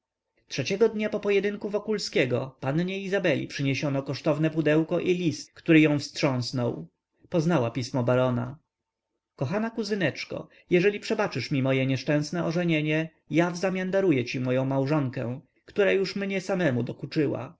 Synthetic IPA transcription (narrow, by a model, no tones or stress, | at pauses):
tʂɛt͡ɕɛɡɔd̪ɲapɔpɔjɛd̪ɘŋkuvɔkulskʲɛɡɔ̰panɲɛizabɛlʲḭpʂɘɲeɕɔnɔkɔʂt̪ɔvnɛpud̪ɛwkɔʔilʲist̪̚kt̪uɾɘjɔ̃w̃fstʂɔ̃w̃snɔw | pɔznawapʲismɔbaɾɔna | kɔxanakuzɘnɛt͡ʂkɔ̰ | jɛʐɛlʲipʂɛbat͡ʂɘʂmʲimɔjɛɲɛʂt͡ʂɛ̃w̃snɛɔʐɛɲeɲɛ | javzamʲjand̪aɾujɛt͡ɕimɔjɔ̃w̃mawʐɔŋkɛ̰̃ | kt̪uɾajuʂmɲɛsamɛmud̪ɔkut͡ʂɘwa̰